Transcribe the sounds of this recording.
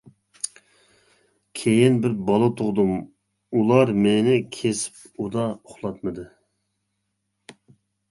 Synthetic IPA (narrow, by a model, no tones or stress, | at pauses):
kʲʰejɪnbɪɾbɑlˠɨt̪ʰʊʁd̪um | ulˠɑɾmenɪkʲʰesɪ̥p̚ | ud̪ɑʊχlˠɑt̪mɨd̪ɨ